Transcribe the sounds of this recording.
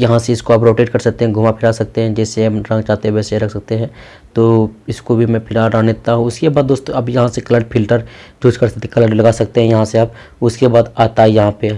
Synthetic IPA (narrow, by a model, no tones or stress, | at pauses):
jɐɦãseɪskoaːpɾoːʈeːʈ̚kɐɾsɐk̚t̪eɦɛ̃ɡʱʊmapʰɪɾasɐk̚t̪eɦɛ̃d͡ʒɛːseɾɐ̃ŋɡt͡ʃaːt̪eʋɛːseɾɐkʰsɐk̚t̪eɦɛ̃ː | t̪oɪskobʱimɛ̃pʰɪɾaɾɾanet̪aɦũʊskebaːd̪̚ːoːst̪õɐbjɐɦãsekɐləɾɖpʰɪlʈəɾd͡ʒʱuːt͡ʃkɐɾsɐk̚t̪ẽkɐləɖlɐɡaːsɐk̚t̪eɦɛ̃jɐɦãseaːb | ʊskebaːd̪aːt̪aijɐɦãpe